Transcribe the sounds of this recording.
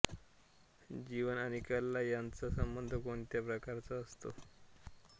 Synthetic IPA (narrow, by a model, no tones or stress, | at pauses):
d͡ʑiʋənañikəlːajant͡sasəmbənd̪ʱəkoɳt̪japɾəkaɾt͡saːst̪o̰